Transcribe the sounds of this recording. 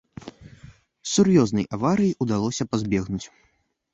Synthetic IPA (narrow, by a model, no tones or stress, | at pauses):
surjɔznɐjʔavaɾɨjiʔud̪alˠɔsʲɐpazʲbʲɛɣnut͡sʲ